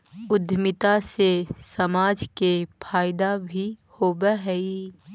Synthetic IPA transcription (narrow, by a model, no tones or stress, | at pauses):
ʊd̪ʱmɪt̪asesɐmaːd͡ʒkepʰaːɪd̪abʱihoːbəɦɛi